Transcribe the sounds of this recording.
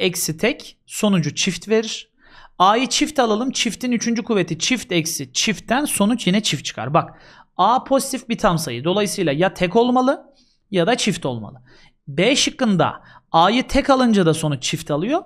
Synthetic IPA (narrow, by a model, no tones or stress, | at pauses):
ɛcsit̪ʰɛc | so̞nud͡ʒut͡ʃʰift̪ve̞ɾiɾ̥ | aːjɯt͡ʃʰift̪ʰalˠalˠɯmt͡ʃʰift̪ʰinyt͡ʃʰynd͡ʒykʰuve̞t̪ʰit͡ʃʰift̪ɛcsit͡ʃʰift̪ʰːænso̞nut͡ʃjinɛt͡ʃʰift̪t͡ʃʰɯ̥kʰa̰ɾbak | aːpʰo̞zit̪ʰifbit̪ʰamsa̰jɯd̪o̞lˠajɯsɯjlˠajat̪ʰɛko̞lˠmalˠɯ | jad̪at͡ʃʰift̪ʰo̞̰lˠma̰lˠɯ | bɛʃɯkːɯnd̪a̰aːjɯt̪ʰɛkalˠɯnd͡ʒad̪aso̞nut͡ʃt͡ʃʰift̪ʰalˠɯjo̞